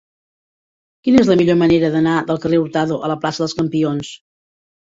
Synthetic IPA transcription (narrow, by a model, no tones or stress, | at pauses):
kinəezləmiʎoməneɾəðənaðəlˠkəreuɾt̪aðuʔələplasəðəlˠskəmpions